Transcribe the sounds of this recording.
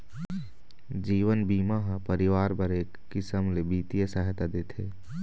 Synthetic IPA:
d͡ʒiːʋənbiːmaɦə̃pəɾɪʋaːɾbəɾeːkːɪsəmlebiːt̪ijəsəɦt̪ad̪eːt̪ʰeː

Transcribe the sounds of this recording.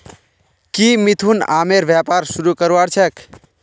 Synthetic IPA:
kimit̪ʰuna̰ːmeɾʋjapaɾsuɾukəɾaɾt͡ʃʰek

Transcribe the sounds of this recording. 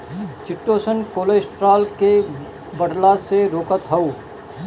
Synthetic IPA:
t͡ʃɪʈːoːsənkoːleːsʈɾaːlke | bəɽlaseɾoːkət̪ɦɐu

